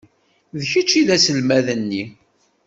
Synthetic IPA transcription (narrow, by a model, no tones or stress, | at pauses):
ðçət͡ʃːiðæsəlmæðənːi